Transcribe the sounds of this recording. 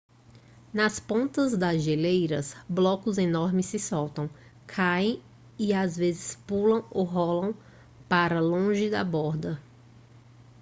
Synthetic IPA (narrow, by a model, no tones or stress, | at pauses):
nɐspõnt̪ɐzd̪ɐzʒelejɾɐsblɔkʊzenɔɾmɪsɪsɔwt̪ɐ̃w̃ | kʰaẽj̃ | ɪazvezɪspulɐ̃w̃oɦɔlɐ̃w̃ | paɾɐlõʒɪd̪ɐ̰bɔɾd̪ɐ